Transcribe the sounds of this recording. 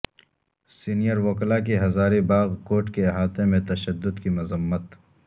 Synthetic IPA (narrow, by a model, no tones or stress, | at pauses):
siːnijəɾʋoːklakiɦɐzaːɾibaːɣkoːʈkeɦaːt̪ẽmẽt̪ɐʃəd̪ːʊd̪kimʊzəmːət̪